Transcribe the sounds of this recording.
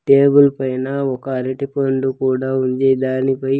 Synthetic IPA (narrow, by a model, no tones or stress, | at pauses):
ʈeːbulpɐjnɐɔkɐːɾeʈipɐɳɖukuːɽaːuɲd͡ʒeːd̪aːnipɐj